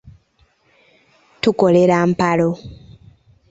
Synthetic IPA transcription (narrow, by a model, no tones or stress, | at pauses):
tuko̞le̞ɾaːmpalo̞